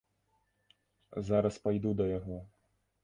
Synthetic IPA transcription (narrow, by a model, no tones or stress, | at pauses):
zaɾɐspajd̪ud̪ɐjaɣɔ